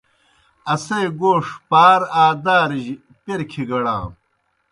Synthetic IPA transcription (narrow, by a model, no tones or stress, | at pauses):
ɐseːɡoːʂpaːɾaːd̪aːɾiʑi | peɾkʰiɡɐɽã̰ː